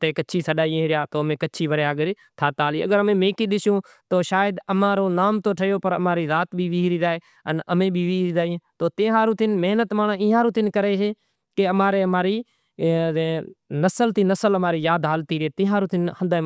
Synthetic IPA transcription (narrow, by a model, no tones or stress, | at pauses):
t̪eːkət͡ʃʰiːsəɗaːĩɾɪjaːt̪oːəmẽːkət͡ʃʰiːʋəɾjaːɡəɾ | t̪ʰaːt̪aːliːə̰ɡəɾəmẽːmeːkiːɗ̪ɪsjõː | t̪oːʃaːjəd̪əmãːɾoːnaːmt̪oːʈʰəjoːpəɾə̰maːɾiːɾaːt̪bʱiːʋiːɦɾiːɾaːeː | ənəmẽːbʱiːʋiːɾiːɾaːĩːt̪oːt̪ẽːɦaːɾũːt̪ɪnməɦnət̪maːɳaɪ̃ːɦãːɾũːt̪ɪnkəɾeːɦeː | keəmaːɾeːəmaːɾiː | nəsəlt̪iːnəsələmaːɾiːjaːd̪ɦaːlt̪iːɾɪeːt̪ɪ̃ːɦaːɾuːt̪ɪnhə̃nd̪aː